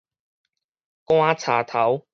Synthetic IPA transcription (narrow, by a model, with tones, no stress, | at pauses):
kw̃aː˦˥t͡sʰa̰ː˨˩t̪ʰa˨˦w